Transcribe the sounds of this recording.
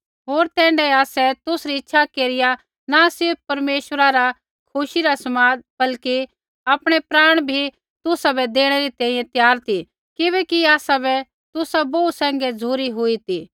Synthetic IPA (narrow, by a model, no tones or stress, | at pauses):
ɦoːɾt̪ɛ̃ːɳɖɛaːsɛt̪ʊsɾiɪtːʃʰakeːɾɪja | nasɪɾp̚ʰpɐɾmeːʃəɾaɾa | kʰʊʃiɾasɐmaːd̪̚bɐlki | aːpɽ̃ɛpɾaːɽ̃bʱi | t̪ʊsabɛd̪eːɽ̃ɛɾit̪ɛ̃ːĩjɛ̃t̪jaːɾt̪i | kɪβɛːkiaːsabɛ | t̪ʊsaboːusɛ̃ːŋɡɛd͡zʱuːɾiɦʊit̪iː